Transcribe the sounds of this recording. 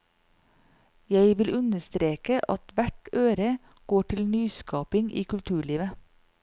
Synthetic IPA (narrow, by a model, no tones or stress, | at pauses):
jæɪʋɪlʔʉnəst̪ɾeːkəʔɑt̪ʋæʈøːɾə | ɡ̥oːʈʰɪlnyːskɑːpɪŋʔḭːkʉlt̪ʰʉːɭiːʋə